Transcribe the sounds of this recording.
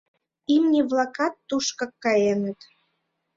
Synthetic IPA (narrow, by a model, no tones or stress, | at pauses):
imnʲiβlˠɑkɑt̪ːuʃkɑ̆kːɑjenə̆t̪